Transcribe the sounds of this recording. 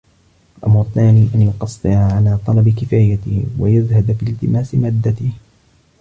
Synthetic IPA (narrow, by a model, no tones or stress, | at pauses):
ʔamɾɑt̪ːaːniːʔanjʊqɑsˤːɨʕaʕalaːt̪ˤɑlɑbɪkɪfaːjat̪ɪ̰hwa̰jaðhad̪afiːlt̪ɪmaːsɪmaːd̪ːat̪ɪh